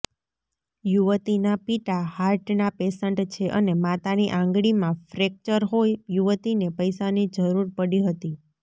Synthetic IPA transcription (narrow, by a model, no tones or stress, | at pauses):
juʋət̪inapiʈahaɾʈnapesəɳʈt͡ʃʰeʔənemat̪aniʔãŋɡɽimãfɾek̚t͡ʃəɾɦojjuʋət̪inepəjsanid͡ʒəɾuɾpəɽiɦət̪i